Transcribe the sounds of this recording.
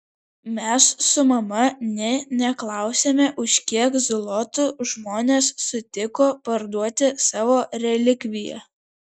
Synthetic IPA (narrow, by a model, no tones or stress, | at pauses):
mʲɛsːʊmɐmɐnʲɛnʲɛklˠɑˑʊsʲemʲɛʔʊʃʲkʲiɛkzʊlˠɔt̪ʊʒmoːnʲeːsːʊt̪ʲɪkoːpɐɾd̪uɔt̪ʲɪsɑːʋoːɾʲɛlʲɪkʲʋʲɪjɛ̰